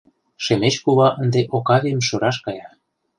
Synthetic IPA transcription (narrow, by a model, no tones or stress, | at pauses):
ʃemet͡ɕkuβɑʔənd̪eʔokɑβʲiəmʃoɾɑʃkɑjɑ